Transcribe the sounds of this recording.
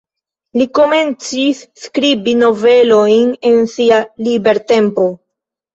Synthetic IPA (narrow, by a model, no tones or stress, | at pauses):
liko̞me̞nt͡sisːkɾibino̞ve̞lo̞jne̞nsialibe̞ɾte̞mpo̞